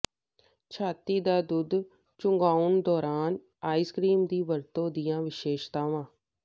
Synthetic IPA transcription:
t͡ʃʰaːt̪iːd̪aːd̪ʊd̪ | t͡ʃʊŋɡaːʊnd̪ɔːɾaːn | aːiːskɾiːmd̪iːʋəɾt̪õːd̪ɪjãːʋɪʃeːʃt̪aːʋãː

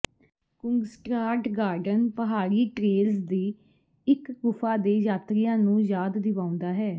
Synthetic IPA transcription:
kʊŋɡsʈɾaːʈɡaːɾɖənpəɦaːɾiːʈɾeːlzd̪iː | ɪkːʊpʰaːd̪eːjaːt̪ɾɪjãːnũːjaːd̪ːɪʋãːʊ̃nd̪aːɦɛː

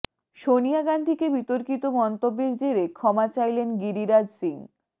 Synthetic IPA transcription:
ʃonijaɡand̪ʱikebit̪oɾkit̪omɔnt̪obːeɾd͡ʑeɾekʰɔmat͡ɕajlenɡiɾiɾad͡ʑsiŋ

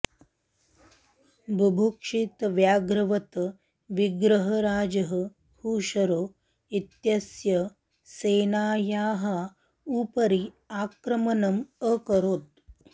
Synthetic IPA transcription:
bʱubʱokʂit̪ʋjaːɡɾɐʋɐt̪ɐ | ʋiɡɾɐɦɐɾaːd͡ʒɐɦə | huːʃɐɾoː | it̪jɐsjɐ | seːnaːjaːɦɐ | upɐɾi | aːkɾɐmɐnɐməkɐɾoːt̪̚

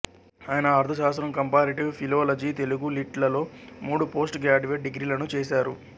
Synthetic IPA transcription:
aːjɐnɐɐɾt̪ʰɐʃaːst̪ɾɐmkɐmpaːɾiʈiwpʰiloːlɐd͡ʒiːt̪e̞luɡuliʈlɐlo̞ːmuːɽupo̞ːsʈɡaːd͡ʒuʋeːʈ̚ɖiɡɾiːlɐnut͡ʃeːsaːɾu

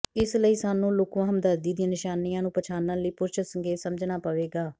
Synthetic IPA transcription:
ɪsləiːsaːnũːloːkʋãːɦəmd̪əɾd̪iːd̪ĩãːnɪʃaːnijãːnũːpət͡ʃʰaːnãːləiːpʊɾʃəsəŋɡeːsəməd͡ʒnaːpəʋeːɡaː

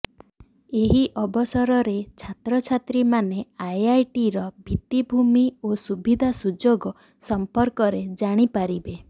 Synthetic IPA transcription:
eɦiʔɔbɔsɔɾɔɾet͡ʃʰat̪ɾɔt͡ʃʰat̪ɾimaneajajʈiɾɔbʱit̪ibʱumiosubʱid̪ʱasud͡ʒoɡɔ | sɔmpɔɾkɔɾed͡ʒaɽ̃ipaɾibe

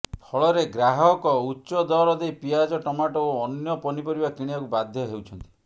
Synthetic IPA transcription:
pʰɔɭɔɾeɡɾaɦɔkɔutːʃɔd̪ɔɾɔd̪ejpiad͡ʒɔʈɔmaʈɔoɔnjɔpɔnipɔɾibakiɽ̃iakubad̪ʱjɔɦewt͡ʃʰɔnt̪i̥

